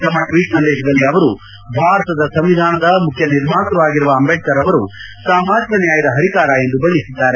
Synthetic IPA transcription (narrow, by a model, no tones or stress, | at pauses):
t̪ɐmɐkʋiːʈsɐnd̪ɛːʃɐd̪ɐlːiɐʋɐɾu | bʱaːɾɐt̪ɐd̪ɐsɐmʋid̪ʱaːnɐd̪ɐmukʰjɐniɾmaːt̪ɐʋaːɡiɾuʋɐːmbʱɛʈːɐɾɐʋɐɾu | saːmaːd͡ʒɐnjaːjid̪ɐɦɐɾikaːɾaend̪ubɐɳɖisid̪ːaːɾe